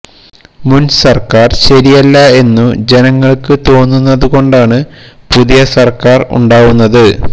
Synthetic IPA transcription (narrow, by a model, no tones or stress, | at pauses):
munsɐrkaːrɕɐɾijɐlːɐe̞nːud͡ʑe̞nɐŋːɐɭkɨt̪o̞ːnːunːɐðuɣo̞ɳɖaːɳɨ | puðijɐsɐrkaːrṵɳɖaːʋunːɐðɨ